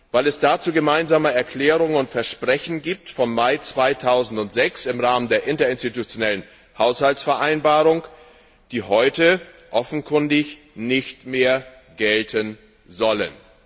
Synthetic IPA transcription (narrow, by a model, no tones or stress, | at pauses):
vaɪlɛsd̥aːt͡suːɡəmaɪnzaːməɛɐkl̥ɛːʁʊŋənʊntfɛɐʃpʁ̥ɛçn̩ɡiːp̚tfɔmːaɪt͡sv̥aɪtʰaʊzn̩tʊntz̥ɛksɪmʁaːməndeːɐʔɪntɐɪnstitut͡sjonɛlən | haʊshaltsfɛɐʔaɪnbaːʁʊŋ | d̥iːɦɔʏtə | ʔɔfn̩kʰʊndɪç | nɪçtmeːɐ | ɡ̥ɛltʰən | zɔlə̰n